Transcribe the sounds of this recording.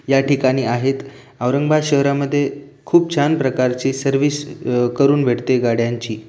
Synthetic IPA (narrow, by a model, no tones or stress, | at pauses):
jaʈikaɽ̃iːaɦet̪ | aʋɾəŋɡbaɕəɦɾaməd̪ʱːjekʰuːp̚t͡ɕʰanpɾəkaɾt͡ɕiːsəɾʋiskəɾuːnʋʱeɽt̪eɡaɽjaɲt͡ɕiː